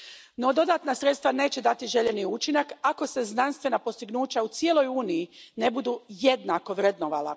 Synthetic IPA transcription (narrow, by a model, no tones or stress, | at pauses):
no̞d̪o̞d̪aːt̪nasɾet̪st̪ʋane̞ːt͡ɕe̞d̪at̪iʒe̞ʎe̞niut͡ʃinakako̞se̞znanst̪ʋe̞napo̞st̪iɡnuːt͡ɕaut̪sjelˠo̞juːnijine̞bud̪uːje̞d̪nako̞ʋɾed̪noʋa̰la̰